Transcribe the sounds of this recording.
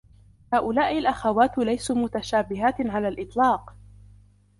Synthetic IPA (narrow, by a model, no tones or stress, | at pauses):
haːʔʊlaːʔɪlʔaxawaːt̪lajsuːmʊt̪aʃaːbɪɦaːt̪ʕalaːlʔɪt̪ˤlɑːq